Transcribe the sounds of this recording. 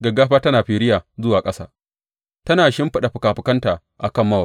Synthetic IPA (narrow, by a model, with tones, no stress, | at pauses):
ɡɐ˨ɡaː˦ɸaː˦tɐ˦naː˨ɸi˨ɾɪ˦jaː˨zʊ˦waː˨kʼɐ˦sa̰ː˦ | tɐ˦naː˨ʃɪ˦mɸɪ˦ɗa˨ɸɪ˨kaː˨ɸɪ˨˦kɐ˦ntaː˨ | ʔa˨kɐ˦˨mːɐ˦wɐ˨